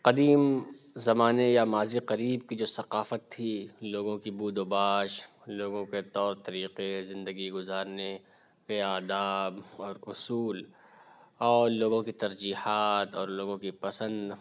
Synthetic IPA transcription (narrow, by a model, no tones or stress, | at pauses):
qɐd̪iːm | zɐmaːnejamaːziqɐɾiːb̚kid͡ʒoːsɐqaːfət̪ʰːiloːɡõkibuːd̪oːbaːʃ | loːɡõket̪ɔːɾt̪ɐɾiːqezɪ̃nd̪əɡiɡʊzaːɾne | keaːd̪aːbɔːɾʊsuːl | ɔːɾloːɡõkit̪ɐɾd͡ʒiːhaːt̪ɔːɾloːɡõkipɐsə̃nd̪